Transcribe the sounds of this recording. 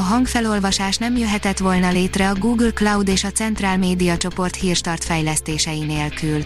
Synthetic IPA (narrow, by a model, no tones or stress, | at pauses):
ɒɦɒŋkfɛlo̞lvɒʃaːʃnɛmjøɦɛt̪ɛt̪ʋo̞lnɒleːt̪rɛɒɡuːɡlklɒwd̪eːʃɒt̪sɛnt̪raːlmeːd̪ijɒt͡ʃo̞po̞rt̪hiːrʃt̪ɒrt̪fɛjlɛst̪eːʃɛjineːlkyl